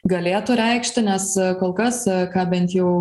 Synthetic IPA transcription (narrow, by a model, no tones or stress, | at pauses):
ɡɐlʲeːt̪ʊɾʲɛɪkʃʲt̪ʲɪnʲɛskoːlˠkɐskɑːbʲɛnt̪jɛʊ